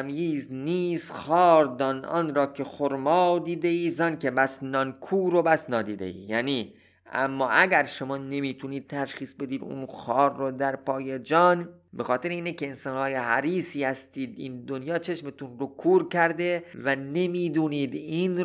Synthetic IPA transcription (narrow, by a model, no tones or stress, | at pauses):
mjiːzniːsxɒːɾd̪ɒːnʔɒ̰ːnɾɒːkʰe̞xoɾmɒːd̪iːd̪eiːzɒnkʰe̞bæsnɒnkʰuːɾobæsnɒːd̪iːd̪e̞̰ḭːjæ̰niː | ʔæ̰mːɒːʔæɡæɾʃo̞mɒːne̞miːt̪ʰuniːd̪̥̚t̪ʰæʃχiːsbe̞d̪iːd̪ṵnxɒːɾːod̪æɾpʰɒːjed͡ʒɒːn | be̞xɒːt̪ʰeɾeiːnekeensɒːnhɒːje̞ɦæ̰ɾiːsiːhæst̪iːd̪ḭːnd̪onjɒːt͡ʃʰe̞ʃmet̪unɾokʰuːɾkæɾd̪e̞væne̞miːd̪uːniːd̪in